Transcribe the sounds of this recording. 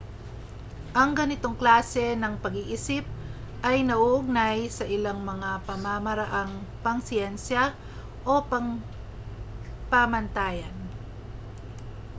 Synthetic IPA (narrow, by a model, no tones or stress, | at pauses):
ʔɐŋɡɐnɪt̪o̞ŋklaːsɛnɐŋpɐɡiʔisɪp̚ʔɐjnɐʔuʔʊɡ̚najsɐʔɪlaŋmɐŋapɐmamɐɾaʔaŋpɐŋsjɛnsja | ʔo̞pɐŋ | pamɐnt̪aːjɐn